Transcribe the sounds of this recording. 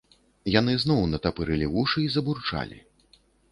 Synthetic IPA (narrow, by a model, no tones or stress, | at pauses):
jan̪ɨznɔwnɐt̪apɨɾɨlʲivuʂɨizɐburt͡ʂa̰lʲḭ